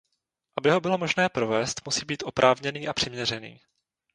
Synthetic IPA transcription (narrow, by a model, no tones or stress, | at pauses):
ʔabɪɦo̞bɪlo̞mo̞ʒnɛːpɾo̞vɛːst̪musiːbiːt̪ʔo̞pɾʔaːvɲɛniːʔapr̥ɪmɲɛr̝ɛnḭː